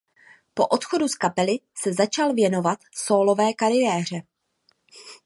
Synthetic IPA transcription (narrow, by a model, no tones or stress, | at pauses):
po̞ʔo̞t̪xo̞duskapɛlɪsɛzat͡ʃalvjɛno̞vat̪so̞ːlo̞vɛːkaɾɪjɛːr̝ɛ